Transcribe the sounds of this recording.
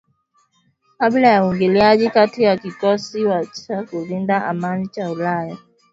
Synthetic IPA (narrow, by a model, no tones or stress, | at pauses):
kaɓlajauŋɡiliaʄikatijakikɔsiwat͡ʃakulindaʔamanit͡ʃaulaja